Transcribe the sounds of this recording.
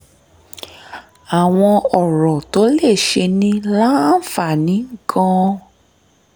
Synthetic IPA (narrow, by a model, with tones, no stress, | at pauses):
a˨w̃ɔ̃˧ɔ˨ɾɔ˨to˨˦le˦˨ʃe˧nĩ˧la˦n̩˦˨fa˦˨nĩ˨˦ŋ̩˦˨kʰɔ̃˦˧